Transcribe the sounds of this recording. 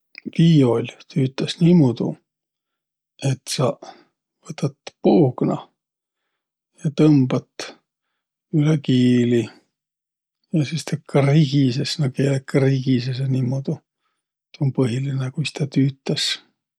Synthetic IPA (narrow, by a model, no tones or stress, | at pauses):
viːo̞lʲt̪ʰyːt̪ːˑɑsnimud̪̥ṵ | et̪sɑ | vɤt̪ːˑɑt̪ːˑpuːɡ̥nɑ̰ | jɑt̪ɤmb̥ɑt̪ː | ylekiːli | jɑsist̪ʰekːɑriɡ̥isesnɑkeːlekːriɡ̥isesenimod̪̥u | t̪onpɤɦilinekujst̪ɑt̪yːt̪ːˑɑs